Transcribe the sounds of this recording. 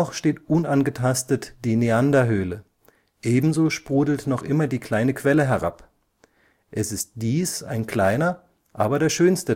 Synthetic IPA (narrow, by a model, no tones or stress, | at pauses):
ɔχʃteːtʔʊnanɡətʰastətd̥iːneandaɦøːlə | ʔeːbm̩zoːʃpʁ̥uːdl̩tnɔχʔɪmɐdiːkl̥aɪnəkv̥ɛləɦɛʁa̰p | ʔɛsɪst̚d̥iːsa̰ɪnkl̥aɪnɐ | ʔaːbɐɾeːɐʃøːnstə